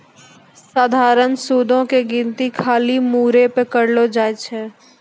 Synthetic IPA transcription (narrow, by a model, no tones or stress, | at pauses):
saːd̪ʱaːɾənsuːd̪ʱõkeɡɪ̃nt̪ikʰaːlimuːɾepekəɾlod͡ʒaːet͡ʃʰɛː